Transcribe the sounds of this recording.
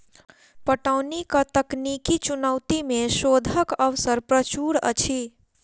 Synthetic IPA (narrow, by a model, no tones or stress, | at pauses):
pəʈawnikat̪əknikit͡ʃunəwt̪imesod̪ʱəkəʋsəɾpɾət͡ʃuɾə̰t͡ʃʰi